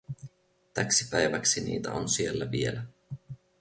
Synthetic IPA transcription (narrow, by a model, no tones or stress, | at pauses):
t̪æksipæjʋæksinḭːt̪æonsielːæʋielæ